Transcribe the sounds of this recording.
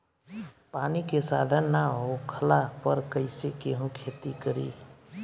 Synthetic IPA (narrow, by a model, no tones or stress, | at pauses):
paːnikesa̰ːd̪ʱənːaɦokʰəlapəɾkəɪsekeɦũkʰeːt̪ikəɾḭː